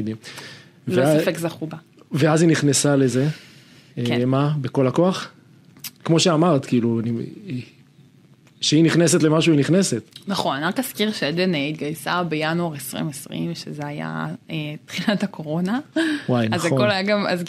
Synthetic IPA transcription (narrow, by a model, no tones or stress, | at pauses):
d̪im | vleoasafekzaχuba | veaziniχnesale̞ze̞ | emabeko̞lako̞aχ | kmo̞ʃeamaʁt̪kiːluani | ʃeiniχneset̪le̞maʃuiniχneset̪naχo̞naniʁakaskiʁʃeed̪eneit̪̚ɡajsabejanoaʁesʁḭmesʁḭmʃezeaja̰et̪χilathakʰo̞ʁo̞nawajnazako̞lajaɡama̰z